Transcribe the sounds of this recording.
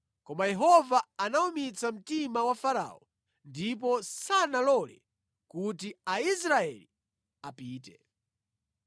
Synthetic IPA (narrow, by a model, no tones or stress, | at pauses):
kɔmajɛɦɔvaanaumit͡sam̩timawafaɾa̰ːɔ | ndip̬ɔsanalɔlɛ̰ | kutiais̬ɾaɛ̰li | apiːtɛ